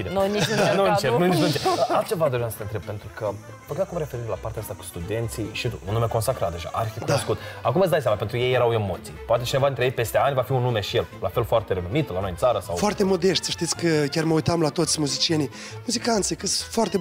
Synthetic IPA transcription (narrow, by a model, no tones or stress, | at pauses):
id̪enoinunt͡ʃenunit͡ʃnunt͡ʃealt͡ʃe̞vad̪o̞ɾijamsət̪ent̪ɾe̞b̚pe̞nt̪ɾukə | pəɡakumɾe̞fe̞ɾiɾelapaɾt̪eaast̪aku̥st̪ud̪e̞nt̪siʃtit̪ṵunːume̞konsakɾat̪̚d̪e̞ʒa̰ʔa̰ɾʲidekud̪noskut̪akumɨt̪sd̪ajs̬amape̞nt̪ɾuje̞jːeɾawe̞mo̞t̪sijpoat̪e̞t͡ʃinevad̪int̪ɾeet̪pe̞st̪eanʲvafiunːume̞ʃijellafe̞lfoart̪eɾenumit̪lano̞jnt̪saɾəsawfoart̪e̞mo̞d̪eʃt̪ʲsə̥ʃt̪it̪sʲkəkʲarməujt̪amlat̪o̞t̪sʲmuzit͡ʃijenij | muzikant̪sikəfoart̪e̞